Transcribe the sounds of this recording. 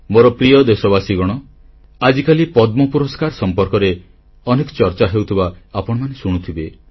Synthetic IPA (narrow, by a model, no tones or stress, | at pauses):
moɾɔpɾijɔd̪esɔbasiɡɔɽ̃ɔ | ad͡ʒikalipɔd̪mɔpuɾɔskaɾsɔmpɔɾkɔɾe | ɔnekɔ̥t͡ʃɔɾt͡ʃaɦewt̪ʰibaapɔɽɔmanesuɽ̃ut̪ʰibe